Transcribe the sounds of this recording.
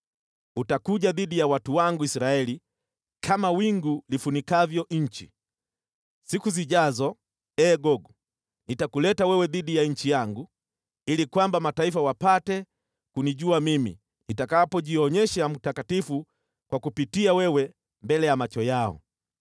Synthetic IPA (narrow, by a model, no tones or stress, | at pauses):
utakuɟaðiɗijawatuwaŋɡuisɾaɛli | kʰamawiŋɡulifunikavjɔɲ̩t͡ʃi | sikuziʄazɔ | ɛːɡɔɡɔ | nitakulɛtawɛwɛðiɗijaɲ̩t͡ʃijaŋɡu | ilikwambamataifawapatɛ | kuniʄuamimḭ | nitakapɔʄiɔɲɛʃam̩takatifu | kwakupitiawɛwɛ | mbɛlɛjamat͡ʃɔjaɔ̰